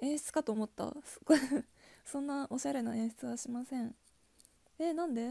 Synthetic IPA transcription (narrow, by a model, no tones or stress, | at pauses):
ẽ̞ɰ̃ɕi̥t͡sɨ̥kat̪o̞ːmo̞t̪ːa̰sɨ̥ɡosõ̞nːaʔo̞ɕaɾe̞naẽ̞ɰ̃ɕi̥t͡sɨβaɕimasẽ̞ɴ | enãnd̪e̞